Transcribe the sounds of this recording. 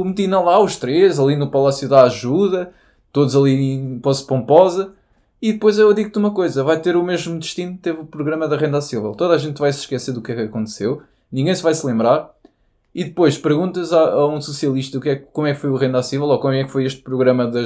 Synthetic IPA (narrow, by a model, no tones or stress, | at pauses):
umt̪inɐlˠauʃt̪ɾezɐlˠinupɐlˠasjuðaaʒuðɐ | t̪oðuzɐlˠĩpɔzpõmpɔzɐ | iðɨpojzewɐðiɣt̪umɐkojzɐvajt̪eɾumeʒmud̪ɨʃt̪inut̪evupɾuɣɾɐmɐðɐʁẽnd̪asivɛlˠt̪oðaʒẽnt̪vajsʃkɛseɾðukɛkɐkõnt̪sew | nĩŋɡɐ̃j̃svajslˠẽmbɾaɾ | iðɨpojʃpɨɾɣũnt̪ɐzaɐũsusjɐlˠiʃt̪ɐukɛkːomwɛkfojuʁẽnd̪asivɛlˠokomuɛkfojeʃt̪̚pɾuɣɾɐmɐðɐ